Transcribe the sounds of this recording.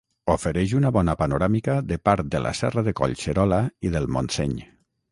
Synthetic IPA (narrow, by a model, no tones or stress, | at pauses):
ofeɾɛʒunaβɔnapanoɾamikaðəpaɾt̪̚d̪əlʔa̰sɛraðeko̰ʎseɾɔlaiðəlˠmo̰nsɛ̰ɲ